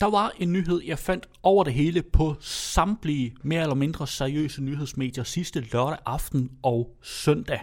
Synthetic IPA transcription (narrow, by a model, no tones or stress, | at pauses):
d̥ɑ̈ʋɑ̈e̝nːyːɦe̝ð̞̰ˠjɑ̈ɪfæn̰d̥ɒʊ̰ɐɾ̥e̝ɦe̝ːləpʰɒ̽sɑ̈mb̥lime̝ːɐelɐme̝nd̥ʁɐsæɐiø̰ːsənyɦe̝ð̞̰ˠsme̝̰ːd̥jɐsisd̥əlɶɐɾæʔɑ̈fd̥n̩ɒ̽ʊsœn̰d̥æ